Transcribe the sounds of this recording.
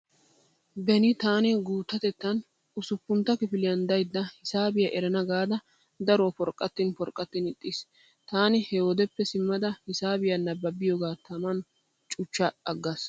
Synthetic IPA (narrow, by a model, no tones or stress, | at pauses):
bɛnɪt̪aːnɪɡuːt̪ːɐt̪ɛt̪ːɐn | ʊsʊpːʊnt̪ːɐkɪfɪlɪjɐnd̪ɐjd̪ːɐhɪsaːbɪjɐʔɛɾɐnɐɡaːd̪ɐ | d̪ɐɾoːpɔɾkʼːɐt̪ːɪnpɔɾkʼːɐt̪ːɪnɪt̪ʼːis | t̪aːnɪhɛɔd̪ɛpːɛsɪmːɐd̪ɐhɪsaːbɪjɐnɐbːɐbːɪjoːɡaːt̪ʰɐmɐn | t͡ʃʼʊt͡ʃːɐɐɡːɐs